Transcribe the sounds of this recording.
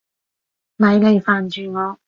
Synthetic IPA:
mɐ˨˧jle˨˧jfaː˨nt͡ʃyː˨ŋɔː˨˧

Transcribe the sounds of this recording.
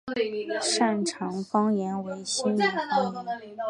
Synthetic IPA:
ʂa˥˩nʈ͡ʂʰɑ˧˥ŋfɑ˥ŋjɛ˧˥nwe˧˥ɪɕi˥ni˧˥fɑ˥˧˥

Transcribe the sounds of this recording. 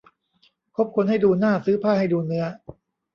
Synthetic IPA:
kʰo˦˥p̚kʰo˧nha˥˩jduː˧naː˥˩sɯː˦˥pʰaː˥˩ha˥˩jduː˧nɯ˦˥ɐ

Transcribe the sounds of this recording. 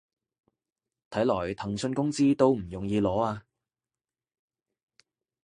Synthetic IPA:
t̪ʰɐ˨˥jlɔː˨˩jt̪ʰɐ˨˩ŋsɵ˧nkʊ˥ŋt͡siː˥t̪o˥wm̩˨˩jʊ˨˩ŋjiː˧lɔː˨˥aː˧

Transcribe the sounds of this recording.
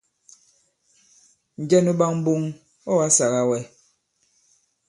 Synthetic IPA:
n̩˨d͡ʒɛ˦nu˦ɓa˦ŋm̩˦bu˦ŋ | ɔ˦wa˦sa˨ɣa˦wɛ˦

